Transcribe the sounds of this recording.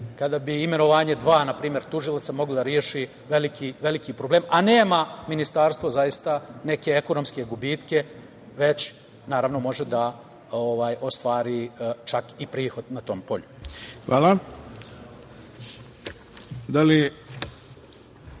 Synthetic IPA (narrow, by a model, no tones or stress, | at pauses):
kad̪abiːme̞no̞ʋaːɲe̞d̪ʋaːnapɾiːmje̞ɾt̪uʒilat̪samo̞ɡlod̪aɾjeʃi | ʋelikiʋe̞likipɾoblˠeːmane̞ːmaminist̪aːɾst̪vo̞zajist̪ane̞ke̞ekonomske̞ɡubiːt̪ke̞ | ʋe̞t͡ɕ | naːɾaʋno̞mo̞ʒe̞d̪a | oʋaːjo̞st̪ʋaːɾit͡ʃakipɾiːxo̞d̪nat̪o̞ːmpo̞̰ʎuxʋa̰ːla | d̪ali